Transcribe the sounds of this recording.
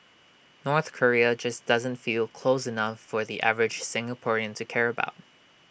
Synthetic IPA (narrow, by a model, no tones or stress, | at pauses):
nɔɹθkʰə˞iɨd͡ʒʌsd̥ʌzɨ̃ntfilˠkʰl̥oʊsɨnʌfə˞ðiʔæ̰vɹɨd̥ʒ̥sɪ̃ŋəpʰɔɹiɨ̃ntʰɨkʰɛɹɨba̰ʊt̚